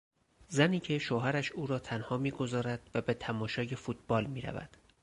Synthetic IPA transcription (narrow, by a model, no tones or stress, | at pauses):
zæniːcʰe̞ʃoːɦæɾæʃuːɾɒːt̪ʰænhɒːmiːɡo̞zɒːɾæd̪̥væbe̞t̪ʰæmɒːʃɒːje̞fuːt̪̚ʰb̥ɒːlmiːɾæ̰væ̰d̪̥